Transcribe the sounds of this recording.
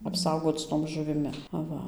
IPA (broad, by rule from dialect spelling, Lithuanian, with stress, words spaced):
ɐpˈsɐʊɡoːt͡s ˈtoːm ʒʊʋʲɪˈmʲɪ ɐˈʋɐ